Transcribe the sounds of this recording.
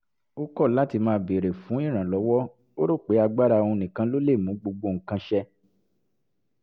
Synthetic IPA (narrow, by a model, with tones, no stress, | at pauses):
o˦kɔ˦˨la˨˦ti˧mãː˧˦be˨ɾe˨fũ˨˦ĩ˦˨ɾ̃ã˨lɔ˨˦wɔ˦ | o˦ɾo˦˨k͡pe˨˦a˧ɡ͡ba˦ɾa˧o˧ũ˧nĩ˨kã˨˧lo˦le˦˨mũ˨˦ɡ͡bo˧ɡ͡bo˧˨ŋ̩˨kã˧ʃɛ˧